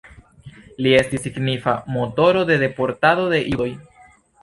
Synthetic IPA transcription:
lie̞stisːiɡnifamo̞to̞ɾo̞d̪e̞de̞po̞ɾtado̞de̞ʔio̞j

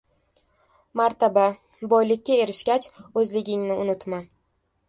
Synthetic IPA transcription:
maɾt̪aba | bɒjlɪkʲːae̞ɾɪʃkʲat͡ʃɵzlɪɡʲɪŋnɪʊnʊt̪ma

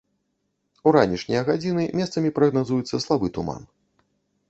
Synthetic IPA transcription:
uɾanʲiʂnʲijɐɣad͡zʲinɨmʲɛst̪sɐmʲipɾɐɣnazujɛt̪sːɐslˠabɨt̪uma̰n

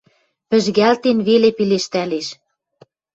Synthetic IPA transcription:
pɘ̆ʒɣælt̪enβelepileʃt̪æleʃ

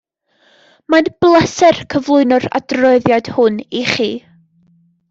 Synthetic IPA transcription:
manb̥lˠəsɛrkʰəvlˠʊɨnʊra̰drɔɨðjad̥hʊniχiː

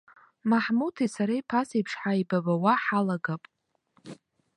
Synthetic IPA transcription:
maħmutʰisaɾajpʰasipʰʂħaibabawaħalaɡapʼ

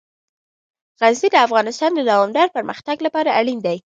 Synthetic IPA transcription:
ɣaznid̪əafɣɑnɪst̪ɑnd̪əd̪awɑmd̪ɑɾpəɾməxt̪aɡlapɑɾaʔaɽind̪aj

